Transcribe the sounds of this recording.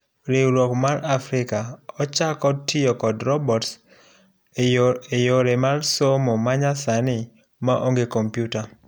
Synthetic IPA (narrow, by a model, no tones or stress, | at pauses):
ɾewɾwɔkmaɾafɾɪkaɔt͡ʃakɔtɪjɔkɔdɾɔbɔts | ejoɾemarsomɔmaɲasanɪ | maʔoŋɡekompjuta